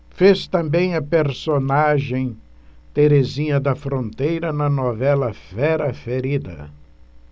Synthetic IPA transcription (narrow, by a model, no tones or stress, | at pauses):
fest̪ɐ̃mbẽj̃ɐpeɾsonaʒẽj̃ | t̪eɾezĩɲɐd̪ɐfɾõnt̪ejɾɐnɐnovɛlɐfɛɾɐfeɾid̪ɐ̰